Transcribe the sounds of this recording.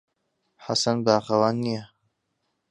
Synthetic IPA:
ħasɐnbaːχɐwaːnːijɛ

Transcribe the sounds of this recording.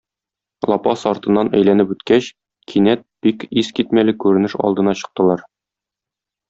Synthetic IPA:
lˠɒpɑsɒɾt̪ɤ̆nːɑnæ̰jlænɘpʉt̪kæɕ | kʰinæt̪̚b̥ikiskit̪mælɘkʉɾɘ̆nɘʃɒ̰lˠd̪ɤ̆nɑɕɤ̆q̚t̪ɤ̆lˠɑɾ

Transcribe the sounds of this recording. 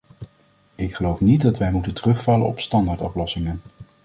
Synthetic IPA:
ɪkχəlowfnit̚dɑtʋɛjmutəntərɵχfɑlə̰ɔ̰pstɑndaːɹtɔplɔsɪŋən

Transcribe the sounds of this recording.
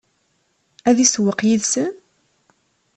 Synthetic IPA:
æðiswəqjiðsən

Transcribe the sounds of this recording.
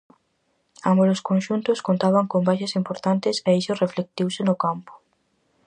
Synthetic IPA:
amoɾoskõnʃunt̪ʊskont̪aβaŋkombajʃɐsimpoɾt̪ant̪ɪseisʊreflek̚t̪iwsɪnʊkampʊ̥

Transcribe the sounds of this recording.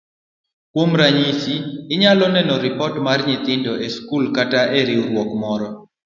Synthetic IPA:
kwomɾaɲisiɪɲalɔnɛnɔɾɪpɔtmarɲɪt̪ɪndɔʔeskulkataʔeɾiuɾwɔkmɔɾɔ

